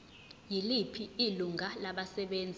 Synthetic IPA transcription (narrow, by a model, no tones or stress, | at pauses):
jilipʰiiluŋʱalaɓasɛɓeːnd͡zʱi